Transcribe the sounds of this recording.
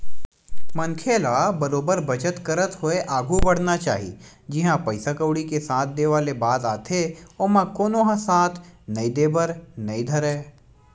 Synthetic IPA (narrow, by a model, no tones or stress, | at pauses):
mɐ̃nkʰeːlabɐɾoːbəɾbʱɐt͡ʃət̪kəɾət̪ɦʊeʔaːɡʱubɐɽ̤nat͡ʃaːɦḭd͡ʒɪɦãpɐɪsakəʊɽikesaːt̪̚ʰd̪eːʋaːlebaːzaːt̪ʰeomãkoːnoɦãsãːt̪ʰnɐĩd̪eːbəɾnɐĩd̪ʱɐɾeː